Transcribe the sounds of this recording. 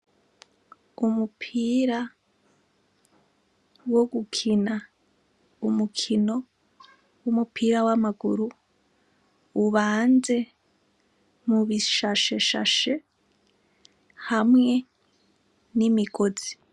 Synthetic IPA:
umupʰiːɾa | wo̞ɡukʰina | umukʰino̞ | wumupʰiːɾawamaɡuɾu | βaːnze̞ | muβiʃaʃeʃa̰ʃe̞ | hamŋe̞ | nimiɡo̞zi̥

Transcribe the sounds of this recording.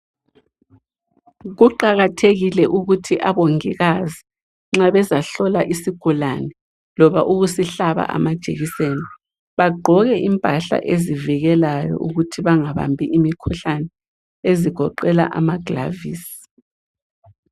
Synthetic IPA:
ɣuǃaɣatʰeɣilɛʔuɣutʰiʔaβoŋiɣazi | ŋ͡ǁaβɛzaɬɔlaʔisiɡ̥ʱulanɛ | lɔβaʔuɣusiɬaβa̰ʔa̰mad̥ʒ̥ʱeɣiseni | βaɡ͡ǃʱɔɣɛʔimpʼaɬa̰ʔeziviɣɛlajɔ̰ʔuɣutʰiβaŋaβa̰mbʱiʔimikʰuɬanɛ | eziɡ̥ʱɔǃɛla̰ʔa̰maɡ̥la̰viːsi̥

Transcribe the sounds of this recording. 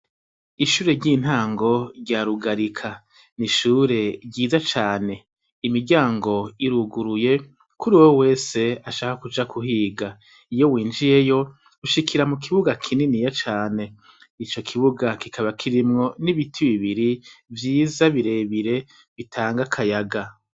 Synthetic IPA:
iʃuːɾe̞ɾɟin̥haːŋɡo̞ɾɟaɾuɡaɾikʰa | niʃuːɾe̞ɟɟiːzat͡ʃaːne̞ | imiɾɟaːŋɡo̞iɾuɡuɾuje̞ | kuɾiwowe̞ːse̞aʃahakut͡ʃakʰuhiːɡa | ijo̞wiːnd͡ʒije̞jo̞ | uʃikiɾamukʰiβuɡakʰininijat͡ʃaːne̞ | it͡ʃo̞kʰiβuɡakikʰaβakʰiɾimŋo̞niβitʰiβiβiɾivjiːzaβiɾe̞βiɾe̞ | βitʰaːŋɡakʰajaɡa

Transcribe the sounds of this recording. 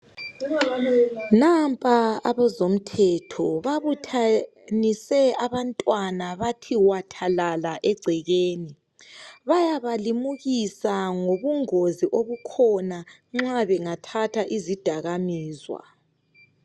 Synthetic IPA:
nampʼaaβɛzom̩tʰɛtʰɔβaβutʰa | nisɛaβantʼwanaβatʰiwatʰalalaʔɛɡ͡ǀʱɛɣeːni | βajaβalimuɣisaŋoβuŋoziʔoβukʰɔna | ŋ͡ǁaβɛŋatʰatʰaʔizid̥ʱaɣamiːzwa̰

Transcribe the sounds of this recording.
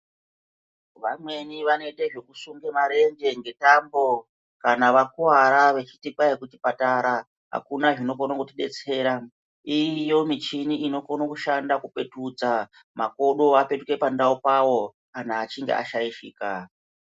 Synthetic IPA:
ʋamwe̞niʋanoeɗe̞ʐe̞kusuŋɡe̞maɾe̞ŋɡe̞ŋɡe̞tambo̞ | kanaʋakuwaɾaʋe̞t͡ʃitikwajekutipataɾa | ɦa̰kunaʐino̞konokutiɗe̞̰t͡se̞ɾa | ijo̞mit͡ʃiniino̞konokuʃandakupe̞tud͡za | mako̞ɗo̞ape̞tuke̞pandaupawo̞ | an̤aːt͡ʃiŋɡḛʔa̰ʃaiʃiːka

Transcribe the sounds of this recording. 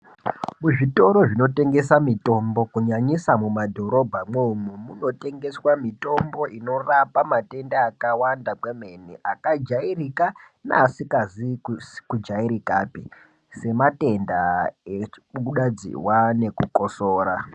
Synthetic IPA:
muʐito̞ɾo̞ʐino̞te̞ŋɡe̞samito̞mbo̞kuɲaɲisamumadʱo̞ɾo̞bʱamweumumuno̞te̞ŋɡe̞swamito̞mbo̞ʔino̞rapamate̞ndaːkawandakwemeneʔakad͡ʒairika | na̰ːsikazikud͡ʒaiɾikaːpi | se̞mate̞ndaekuɗad͡zḭwane̞kuko̞soːɾa

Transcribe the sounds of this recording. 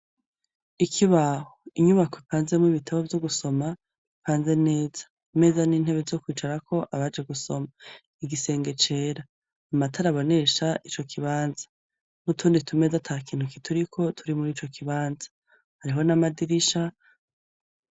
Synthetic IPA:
ikʰiβahoiɲuβakopaːnze̞miβitʰaβo̞vjo̞ɡuso̞ma | ipaːnze̞ne̞ːz̥ḁ | me̞zaniːn̥he̞βezo̞kwiːt͡ʃaɾakʰo̞ʔaβad͡ʒe̞ɡuso̞ma | iɡise̞ːŋɡe̞t͡ʃe̞ːɾaː | matʰaɾaβo̞ne̞ʃaʔit͡ʃo̞kʰiβaːnzḁ | mutʰuːnditʰume̞zatʰakiːnhukitʰuɾikʰo̞tʰuɾimuɾiːt͡ʃo̞kʰiβaːnzḁ | haɾiɦo̞namadiɾiʃa

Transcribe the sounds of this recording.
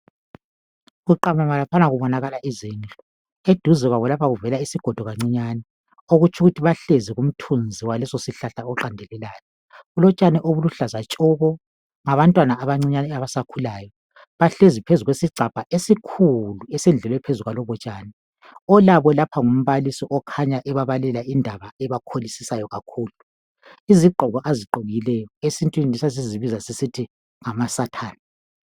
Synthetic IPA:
ɣuǃamamalapʰanaɣuβɔnaɣalaʔizint͡ɬʼɔ | ed̥ʱuzɛɣwaβɔlapʰaɣuvɛlaisiɡ̥ʱɔd̥ʱɔɣaŋ͡ǀiɲanɛ | oɣut͡ʃʰuɣutʰiβaɬeziɣum̩tʰund͡zʱiwalɛsosiɬaɬaɔǁandʱɛlɛlaːjɔ | ulɔt͡ʃʼanɛʔoβuluɬazat͡ʃʼɔβɔ | ŋaβantʼwanaːβaŋ͡ǀiɲanɛaβasakʰulaːjɔ | βaɬezipʰezuɣwesiǀʱapʼaesikʰuluɛsɛnd͡ɮʱɛlwɛpʰezuɣwalɔβɔt͡ʃʼaːnɛ | ɔlaβɔlapʰaŋum̩βalisiʔɔkʰaɲaʔɛβaβalɛlaindʱaβaɛβakʰolisisajɔɣakʰuːlu | iziǃʱɔɣɔʔaziǃoɣilɛjɔesintʼwininisas̬iziβizasisitʰi | ŋamasatʰaːna

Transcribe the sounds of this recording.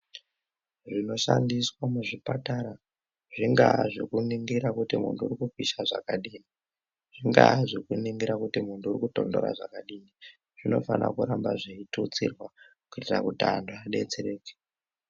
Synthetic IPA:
ʐino̞ʃandiswamuʐipataɾa | ʐ̥iŋɡaʐekuniŋɡiɾakutimṵntuurikukiʃaʐa̰kaɗiːni | ʐ̥iŋɡaʐikuniŋɡiɾakutimuntuːrikuto̞ndo̞ɾa̰ʐa̰kaɗiːni | ʐ̥ino̞fana̰kuɾambaʐeitut͡sirwa | kuitira̰kutandoaɗe̞t͡seɾe̞ːke̥

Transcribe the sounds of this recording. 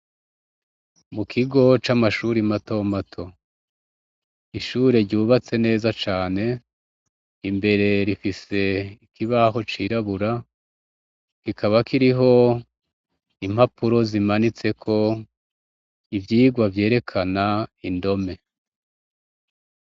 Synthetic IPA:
mukʰiɡo̞t͡ʃamaʃuɾimato̞ːmatʰo̞ | iʃuːɾe̞ɾɟuːβat͡se̞ne̞ːzat͡ʃaːne̞ | imbe̞ɾe̞ɾifise̞ikʰiβaɦo̞t͡ʃiɾaβuɾa | kikʰaβakiɾiɦo̞ | im̥hapʰuɾo̞zimanit͡se̞kʰo̞ | ivjiːɡwavje̞ːɾe̞kʰanaindo̞me̞

